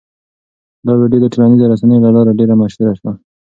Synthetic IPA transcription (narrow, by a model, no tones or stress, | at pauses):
d̪ɑɾeɖod̪əʈalanizoɾasanəjolalɑɾaɖeɾamaʃuɾaʃwa